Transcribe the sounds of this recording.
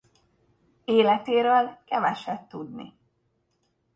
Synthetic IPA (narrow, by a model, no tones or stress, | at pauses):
eːlɛt̪eːɾøːlkɛvɛʃɛt̪ːud̪nḭ